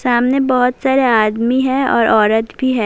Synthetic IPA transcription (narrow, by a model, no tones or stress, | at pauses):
saːmnebɔɦʊt̪saːɾeaːd̪miɦɛ̃ɔ̰ːɾɔːɾət̪bʱiɦɛ̃ː